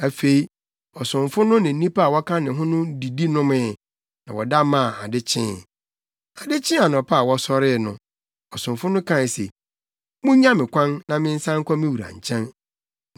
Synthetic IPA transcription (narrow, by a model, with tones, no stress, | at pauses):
æ˨fe˨i˦ | ɔ˨sʊ̃˨ɱfʊ˦nʊ̃˦nɪ̃˨n̩˦nĩ˦pa˦˨wɔ˦kʰã˦nɪ̃˨ɦʊ̃˦nʊ̃˦di˨di˦nʊ̃˦mɪ̃˦˨ | nã˨wɔ˨da˦mã˦˨a˨dɪ˦t͡ɕʰɪ̃˦˨ | a˨dɪ˦t͡ɕʰɪ̃˦a˨nɔ̃˨pʰa˦˨wɔ˦sɔ˦ɾɪ˦˨nʊ̃˦ | ɔ˨sʊ̃˨mfʊ˦nʊ̃˦kʰã˦˨sḛ˨ | mũ˦ɲã˦mɪ̃˨kʷʰã˦nnã˦mɪ̃˦n̩˦sã˦ŋ̩˦kʷʰa˦mɪ̃˦wu˨ɾã̰˨ɲ˨t͡ɕʰɛ̃˦n